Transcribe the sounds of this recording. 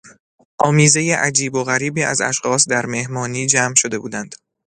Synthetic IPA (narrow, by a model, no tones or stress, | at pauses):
ʔɒːmiːze̞jeʔæd͡ʒiːboɣæɾiːbiːæ̰zæ̰ʃxɒːsd̪æɾme̞hmɒːniːd͡ʒæːmʃo̞d̪e̞buːd̪ænd̪̥